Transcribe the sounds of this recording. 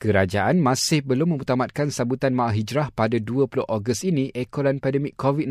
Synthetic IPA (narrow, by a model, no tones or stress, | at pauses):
kəɾad͡ʒaʔanmãsɪhbəlʊmːə̃mut̪amat̪̚kansabut̪anmaʔaɦid͡ʒɾahpadaduəpulʊhʔoɡəst̪inĩʔɛkolanpɛdəmikːovit̪̚